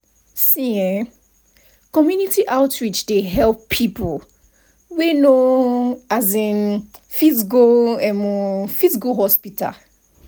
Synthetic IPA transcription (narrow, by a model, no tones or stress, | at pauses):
sĩɛ̃ | kɔmjunitiʔaʊtɹit͡ʃdeɦɛlpʰːipo | weno | azĩnfizkoɛmũfizikoɦɔspita̰